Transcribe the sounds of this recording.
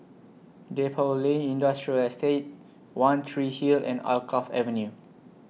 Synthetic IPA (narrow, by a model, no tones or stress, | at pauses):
depʰɔlẽnĩndastɹiəlɛstet̚ | wãnt̪ʰɹihilɛ̰̃na̰lkʰɔfɛ̰və̃nju